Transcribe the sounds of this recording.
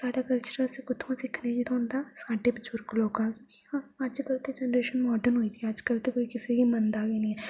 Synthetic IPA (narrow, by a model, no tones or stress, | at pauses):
saːɖakəlt͡ʃəɾəlsekʊt̪ʰõsɪkʰneɡit̪õɦʊ̃nd̪aːsaːɖebɪt͡ʃʊɾkloːkãkjõːki̥aad͡ʒkəlt̪ed͡ʒɛnɾeːʃənmɔːɖənɦoːid̪iaəd͡ʒkəlt̪ekoːikɪseɡimɐnd̪aːɡinĩ